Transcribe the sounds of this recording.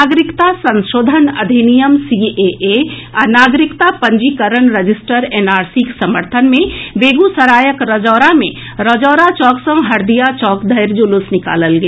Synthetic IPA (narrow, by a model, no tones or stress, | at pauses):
aːɡɾɪkt̪asə̃nʃoːd̪ʱənɐ̰d̪ʱinijəmsiʔeʔeɐnaːɡɾɪkt̪apə̃ɲd͡ʒikəɾənɾed͡ʒɪsʈəɾeːnaːɾsiksɐməɾt̪ʰənmẽʋeːɡusəɾaːjəkɾɔd͡ʒɔːɾamẽ | ɾɔd͡ʒɔːɾat͡ʃɔːksə̃ŋɦɐɾd̪ijat͡ʃɔːkd̪ʱɐɪɾd͡ʒulʊsnɪka̰ːləlɡe